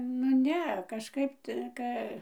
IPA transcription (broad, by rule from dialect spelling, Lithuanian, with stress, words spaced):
nʊ ˈnʲɛ kɐʃˈkɐɪp ˈtə ˈkɐ